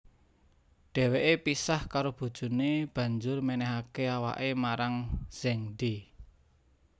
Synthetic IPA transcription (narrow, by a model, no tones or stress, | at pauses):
ɖ̥ɛ̤weʔepisahkaɾob̥ṳd̥ʒ̥ṳneb̥ä̤ɲd͡ʒʊrmɛnɛɦakeawa̰ʔemaɾaŋz̥ɛŋɖe